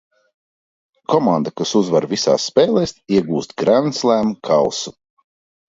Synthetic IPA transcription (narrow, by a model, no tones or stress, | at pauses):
kɔmand̪akasuzvaɾvisa̰ːsːpɛːlˠɛːsiɛɡuːst̪̚ɡɾanslˠæːmkʰalˠsu